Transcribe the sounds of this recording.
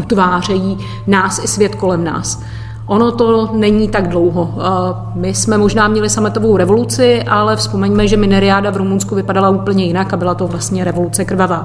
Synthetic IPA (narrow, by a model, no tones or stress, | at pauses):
ʔut̪vaːr̝ɛjiː | naːsɪsvjɛt̪ko̞lɛmna̰ːs | ʔo̞no̞t̪o̞nɛɲiːt̪aɡdlowɦo | mɪsmɛmo̞ʒnaːmɲɛlɪsamɛt̪ovo̞wɾɛvo̞lut͡sɪʔalɛfspo̞mɛɲmɛʒɛmɪnɛɾɪaːdavɾumunskuvɪpadalauːpl̩ɲɛjɪnakabɪlat̪o̞vlast̪ɲɛɾɛvo̞lut͡sɛkr̩vavaː